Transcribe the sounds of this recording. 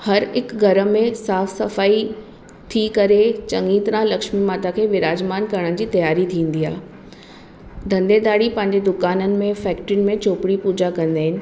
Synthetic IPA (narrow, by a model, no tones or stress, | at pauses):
hɐɾɪkɡʱɐɾəmẽsaːfsɐfaːi | t̪ʰikɐɾet͡ɕɐ̃ŋɡiːt̪ɾãlɐkʃmimaːt̪akʰeːʋɪɾaːd͡ʑmaːnkɐɾɽ̃ə̃d͡ʑiːt̪ɐjaːɾit̪ʰĩːnd̪ia̰ːɦ | d̪ʱɐ̃nd̪ed̪aːɽipɐ̃ɦɪ̃ɲd͡ʑed̪ʊkaːnənɪ̆mẽfɛːk̚ʈɾɪnmẽt͡ɕoːpɪɽipuːd͡ʑakɐ̃nd̪aːɦɪnɪ̆